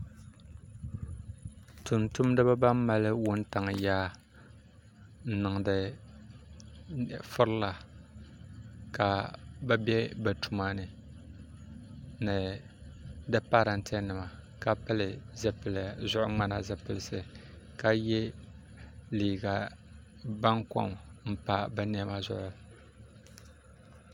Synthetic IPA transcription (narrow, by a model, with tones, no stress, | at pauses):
tʊ˨ntu˦m˦dɨ˦ba˦ba˦m˦ma˦lɨ˦wʊ˦n˦ta˨ŋ˨jaː˦ | nɨ˨ŋ˨dɨ˨ | fʊ˦ɾɨ˦la˨ | ka˨bɛ˦bɛ˦bɛ˨tʰu˦maː˦nɨ˨ | nɨ˨ | dɨ˦pa˦ɾa˨ntʰɛ˦nɨ˨ma˨ | ka˨pɨ˦lɨ˨zɛ˦pɨ˨lzʊ˦ʔʊ˦ŋ͡ma˦na˨zɛ˨pɨ˨lɨ˨sɨ˨ | ka˨jɛ˦ | liː˨ɡa˨ | ba˦ŋkɔ̰˦mm̩˦pa˦bɨ˦n˦ɛ˦ma˦zʊ̰˨ʔʊ˨